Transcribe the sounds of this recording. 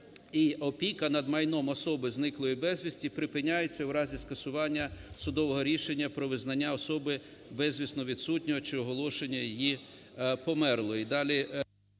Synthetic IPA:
iɔpʲikɐnɐd̪mɐjnɔmɔsɔbɪznɪklˠɔjibɛzʲʋʲisʲtʲipɾɪpɪnʲːajet͡sʲːɐwɾɑzʲiskɐsʊʋɑnʲːɐsʊd̪ɔʋɔɦɔɾʲiʃenʲːɐpɾɔʋɪznɐnʲːaɔsɔbɪ | bɛzʲʋʲisnɔʋʲid̪sutʲnʲɔɦɔt͡ʃɪɔɦɔlˠɔʃenʲːɐjiji | pɔmɛrlˠɔid̪ɑlʲi

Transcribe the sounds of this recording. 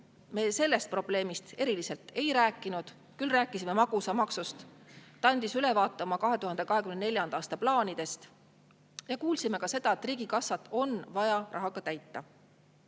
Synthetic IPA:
me̞ːse̞lːe̞st̪̚pro̞b̥le̞ːmist̪e̞ɾilise̞lt̪e̞jɾæːkːˑinud̪̥ | kylræːkːˑisime̞mɑɡ̥usɑmɑksust̪t̪ɑnʲd̪isyle̞vɑːt̪ːˑɑmɑkɑɦe̞t̪uɦɑnd̪e̞kɑɦe̞kymnnelʲjɑnd̪ɑːst̪ɑplɑːnid̪̥e̞st̪ | jɑkuːlsime̞kɑse̞d̪̥ɑe̞t̪ːˑriːɡ̥ikɑsːɑt̪ˑːo̞nvɑjɑrʔɑ̰ɦɑɡ̥ɑt̪æjt̪ːˑɑ

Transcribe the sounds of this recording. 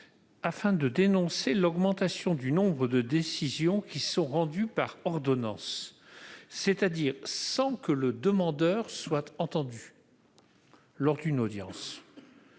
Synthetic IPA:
afɛ̃d̪əd̪enɔ̃selɔɡmɑ̃t̪asjɔ̃d̪ynɔ̃bʁəd̪əd̪esizjɔ̃kʲisɔ̃ʁɑ̃d̪ypaʁɔʁd̪ɔnɑ̰̃sː | et̪ad̪iʁsɑ̃kələd̪əmɑ̃d̪œʁswat̪ɑ̃t̪ɑ̃d̪y | lɔʁd̪ynod̪jɑ̰̃s

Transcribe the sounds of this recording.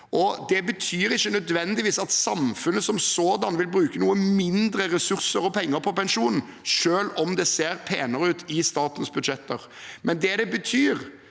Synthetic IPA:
ʔɔd̪ɛbət̪ʰyːɾɪçːənœd̪ʋɛnd̪ɪʋiːsɑt̪sɑmfʉnəsɔmsoːd̪ɑnʋɪlbɾʉːkənuːəmɪnd̪ɾəɾɛsʉɾsəɾɔpʰɛŋːəɾpʰɔpɛnʂuːnn̩ | ʃøːlɔmd̪ɛseːɾpʰeːnəɾəʉːt̪ʰɪst̪ɑːt̪nsbʉd̪ʃɛt̪ʰːəɾ | mɛnd̪ɛd̪ɛbət̪ʰyːɾ

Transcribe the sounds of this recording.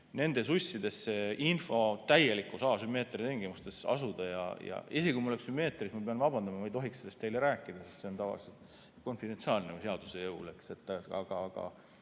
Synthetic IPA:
ne̞nd̪e̞susʲːid̪e̞sːeinfo̞t̪æjelikːusɑːsymːe̞ːt̪ːˑrit̪eŋɡ̥emust̪e̞sɑ̰sud̪̥ɑjɑ̰jɑ̰esekuimɑole̞ksymːe̞ːt̪ˑrismɑpeɑnvɑbɑnd̪ɑmɑmɑjt̪o̞ɦikselest̪e̞jleɾæːkːˑid̪̥ɑsest̪se̞o̞nt̪ɑvɑ̰lise̞lt̪ | ko̞nfid̪e̞nt̪siɑːlneuseɑd̪̥use̞jɤwle̞kse̞t̪ˑːɑ̰ɡ̥ɑːɡ̥ɑ̰

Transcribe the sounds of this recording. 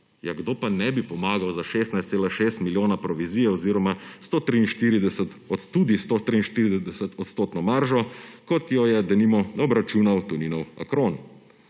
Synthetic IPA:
jaɡd̪oːpanɛbipɔmaːɡawzaʃeːst̪najst̪seːlaʃeːst̪miljoːnapɾɔʋiziːjɛɔziɾɔmast̪oːt̪ɾiːnʃt̪iɾid̪ɛsɛt̪ | ɔt̪ud̪ist̪oʃt̪ɾiːnʃt̪iɾid̪ɛd̪ɛsɛt̪ɔt̪st̪oːt̪nɔmaɾʒɔkɔt̪jɔjɛd̪ɛnimɔnɔbɾat͡ʃuːnawt̪uninɔwa̰kɾoːn

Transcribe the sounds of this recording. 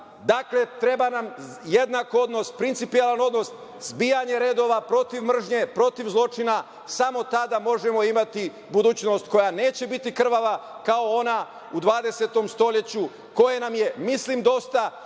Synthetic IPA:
d̪akle̞t̪ɾe̞banam | je̞d̪nakoo̞d̪no̞spɾint̪sipijelˠano̞d̪no̞s | zbiːjaɲe̞ɾe̞ːd̪o̞ʋapɾo̞t̪iʋmr̩ʒɲe̞pɾo̞t̪iʋzlˠo̞t͡ʃina | samo̞t̪ad̪amo̞ʒemo̞imat̪i | bud̪uːt͡ɕno̞st̪ko̞jane̞ːt͡ɕe̞bit̪ikr̩ʋaʋakao̞o̞na | ud̪ʋaːd̪e̞se̞t̪o̞mst̪o̞ʎe̞t͡ɕu | ko̞je̞namje̞mislimd̪o̞st̪a

